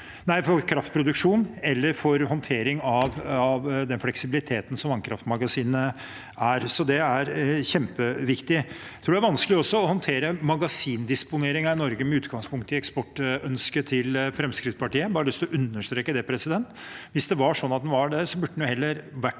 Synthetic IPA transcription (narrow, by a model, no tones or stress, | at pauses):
næɪfɔɾkʰɾɑft̪̚pʰɾʊd̪ʉkʂuːnɛlːəɾfɔɾhɔnt̪ʰeːɾɪŋɑʋɑʋd̪ɛnflɛksɪbɪlɪt̪ʰeːt̪ən̩sɔmʋɑŋkʰɾɑ̰ft̪mɑɡɑsiːnə | æɾsɔd̪ɛæɾçɛmpəʋɪkt̪ɪjt̪ɾuːɖɛæʋɑnskəlɪɔsːɔɔhɔnt̪ʰeːɾəmɑɡɑsiːnd̪ɪspʊneːɾɪŋɑɪnɔɾɡəmɛʉːt̪ɡɑŋspʰʊŋkt̪əɪɛkspɔʈːœnskət̪ʰɪlfɾɛmskɾɪt̪spɑʈiːəbɑːɾəlʏst̪ɔʔʉnːəʂt̪ɾeːkːəd̪ɛpʰɾɛsɪd̪ɛnt̪ʋɪsd̪ɛʋɑʂɔnːɑt̪d̪ɛnʋɑɖæɾsɔbʉɖːəɛnjʊhɛlːəɾʋæʈː